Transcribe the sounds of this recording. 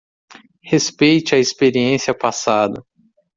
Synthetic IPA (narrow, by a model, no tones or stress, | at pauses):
hespejt͡ʃɪɐispeɾiẽsiɐpasad̪ɐ